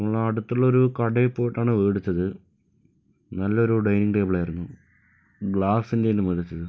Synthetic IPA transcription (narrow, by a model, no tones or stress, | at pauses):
ɐmːɐɭɐɽut̪ːuɭːɐoɾukɐɽɐipːoːjiʈːaːɳɨʋeːɽut͡ɕːɐðɨ | nɐlːɐo̞ɾuɖɐjniŋɡʈeːbɐɭaːjiɾunːu | ɡɭaːsinde̞jinːɨmuðɐt͡ɕːɐðɨ